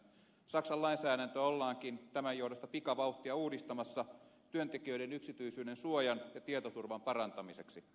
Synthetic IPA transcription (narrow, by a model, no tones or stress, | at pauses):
sɑksɑlɑinsæːɾænt̪øolːɑːŋkint̪æmæjohudost̪ɑpikɑʋɑut̪ːiɑuːdist̪ɑmɑsːɑt̪yønt̪ekiøidenyksit̪yisyːnensuojɑnjɑt̪iet̪ot̪urʋɑmpɑrɑnt̪ɑmiseksi